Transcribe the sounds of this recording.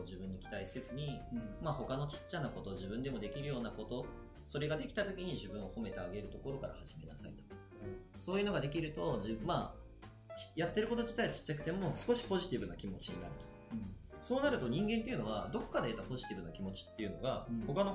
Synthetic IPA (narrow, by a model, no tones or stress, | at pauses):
ʑibɯ̟̃ɲ̟ːikʲi̥t̪aise̞zɨɲ̟imaho̞kano̞t͡ɕi̥t͡ɕːanako̞t̪o̞ʑibɯ̟̃nd̪e̞mo̞d̪e̞kʲiɾɯ̟jo̞ːnako̞t̪o̞ | so̞ɾe̞ɡad̪e̞kʲi̥t̪at̪o̞kʲiɲ̟iʑibɯ̟̃ɰ̃o̞ho̞me̞t̪e̞aɡe̞ɾɯ̟t̪o̞ko̞ɾo̞kaɾa̰haʑime̞na̰sa̰it̪o̥k | so̞ːjɯ̟no̞ɡad̪e̞k̬ʲiɾɯ̟t̪o̞ʑimaː | t͡ɕjat̪ːe̞ɾɯ̟ko̞t̪o̞ʑit̪ait͡ɕi̥t͡ɕːakɯ̟̥t̪e̞mo̞sɨ̥ko̞ɕi̥po̞ʑi̥t̪ʲibɯ̟nakʲimo̞t͡ɕiɲ̟inaɾɯ̟t̪o̞̥ | so̞ːnaɾɯ̟t̪oɲ̟ĩŋɡẽ̞nt̪eiɯ̟no̞βad̪o̞kːad̪e̞ːt̪apo̞ʑi̥t̪ʲibɯ̟nakʲimo̞t͡ɕi̥t̪ːe̞jɯ̟no̞̰ɡaho̞kano